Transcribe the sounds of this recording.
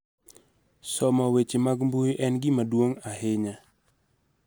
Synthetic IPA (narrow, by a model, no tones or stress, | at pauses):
sɔmawet͡ʃemaɡmbujʔɛnɡɪmadwoŋahɪɲa